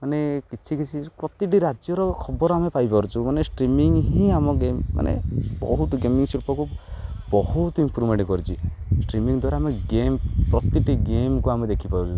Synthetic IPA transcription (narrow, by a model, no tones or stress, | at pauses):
manekit͡ʃʰikit͡ʃʰikɔt̪iʈiɾad͡ʒjɔɾɔkʰɔbɔɾɔamepajpɔɾut͡ʃʰumanesʈɾimiŋɦĩamɔɡemːa̰nḛbɔ̰ɦut̪ɡemiŋsilpɔkubɔɦut̪impʰɾumeɳʈkɔɾut͡ʃʰisʈɾimiŋd̪waɾaameɡempɾɔt̪iʈiɡemkuamed̪ekʰipaɾut͡ʃʰu